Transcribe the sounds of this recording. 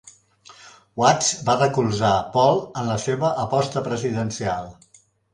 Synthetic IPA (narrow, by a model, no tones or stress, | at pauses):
wat͡sbarəkulˠzapɔlˠənləseβəʔəpɔst̪əpɾəziðənsialˠ